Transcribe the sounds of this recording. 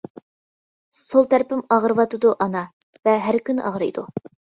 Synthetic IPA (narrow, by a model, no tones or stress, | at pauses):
solˠt̪ʰæɾpɪmɑʁɾɨvɑt̪ɨd̪uʔɑnɑ | vɛɦæɾkʲynɨ̰ʔɑʁɾɨjd̪u